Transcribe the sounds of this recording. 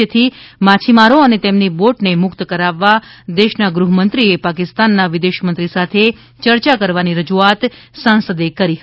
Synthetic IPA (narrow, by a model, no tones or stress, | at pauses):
ət̪ʰimat͡ʃʰimaɾoənet̪emniboʈnemʊkt̪kəɾaʋːad̪eʃnaɡɾuɦəmənt̪ɾiepakɪst̪anːaʋɪd̪eʃmənt̪ɾisat̪ʰe | t͡ʃəɾt͡ʃakəɾʋaniɾəd͡ʒuat̪ | sãnsəd̪ekəɾiɦə